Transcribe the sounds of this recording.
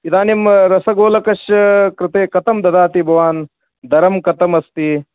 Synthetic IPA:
id̪aːnimɾɐsɐɡoːlɐkɐʃkɾɪt̪eːkɐt̪ɐmd̪ɐd̪aːt̪ibʱɐʋaːn | d̪ɐɾɐmkɐt̪ɐmɐst̪i

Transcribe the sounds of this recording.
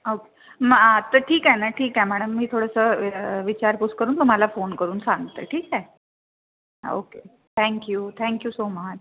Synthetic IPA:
oke | mt̪əʈʰiːkɦɛnaʈʰiːkɦɛmæɽəmːiːt̪ʰoɽəsəʋit͡ɕaɾput͡sskəɾuːnt̪um̤alafonkəɾuːnsãŋɡt̪ə̰ːʈʰiːkɦɛ | o̰ke | t̪ʰɛ̃ŋkjuːt̪ʰɛ̃ŋkjuːsomət͡ɕʰ

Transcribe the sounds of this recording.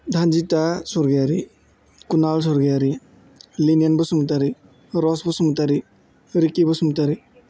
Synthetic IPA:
dʱand͡ʒitasɔɾɡjaɾi | kunals̬ɔɾɡijaɾi | linijanbɔsuŋɡtaɾi | ɾɔsbɔsuŋɡtaɾi | ɾikibɔsuŋtaɾi

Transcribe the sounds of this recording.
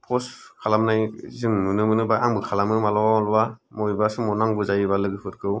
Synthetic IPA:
pʰɔskʰalamnajzɯŋnunɯmɯnɯbaaŋbɯkʰalamɯmalɔwaɔlbamɔjbasɯmɔnaŋbɯzajɯβalɯɡɯpʰɯt̚kʰɯw

